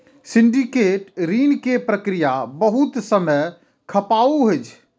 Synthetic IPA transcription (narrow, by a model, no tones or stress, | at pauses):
siɳɖikeʈɾinkepɾəkɾijabəɦut̪səməj | kʰəpauɦojt͡ʃʰ